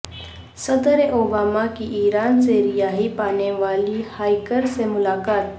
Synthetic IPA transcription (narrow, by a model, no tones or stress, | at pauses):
səd̪əɾeʔobamakiʔiɾant͡seɾijaɦipaneʋaliːhajkəɾsemulakat̪